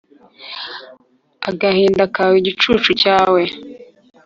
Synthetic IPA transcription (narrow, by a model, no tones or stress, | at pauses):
a̰ɡahiːndakawiɟit͡ʃuːt͡ʃucaːwe